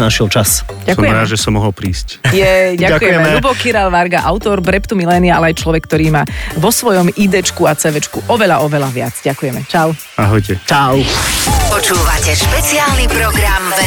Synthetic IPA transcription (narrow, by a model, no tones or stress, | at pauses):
naʃilt͡ʃas | ɟakujɛɾaːʒɛsɔmːɔɦɔlpɾiːscjɛɟakuɛjɛmɛɛɾubɔkiɾalʋaɾɡaʔaʊt̪ɔɾbɾɛpt̪umilɛːniaalɛajt͡ʃlɔʋɛkːt̪ɔɾiːmaːʋɔsʋɔjɔmid̪ɛt͡ʃkuat͡sɛʋɛt͡ʃkuʔɔʋɛʎaʔɔʋɛlaʋɪad͡zɟakujɛmɛt͡ʃaʊ | aɦɔjcɛt͡ʃaʊpɔt͡ʃuːʋacɛʃpɛt͡siaːlnipɾɔɡɾam